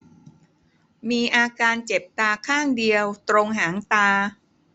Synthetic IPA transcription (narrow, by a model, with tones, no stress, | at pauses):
miː˧ʔaː˧kaː˧nt͡ɕe˨˩p̚t̪aː˧kʰaː˥˩ŋdi˧əwt̪ɾo˧ŋɦaː˩˦ŋt̪aː˧